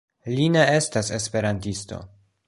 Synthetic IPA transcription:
linee̞stase̞spe̞ɾantisto̞̰

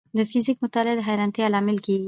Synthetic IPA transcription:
d̪əfizikmʊt̪ɑlɪad̪əɦajɾant̪ealɑmɪlkeɡi

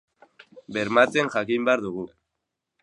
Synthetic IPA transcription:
be̞ɾmat͡se̞ŋʝakimbeaɾðuɣu

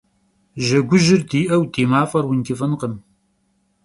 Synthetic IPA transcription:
ʒɐɡʷʊʒɪrdiːʔɐwdʰiːmaːfɐrwʊnkʲɪfɐnqəm

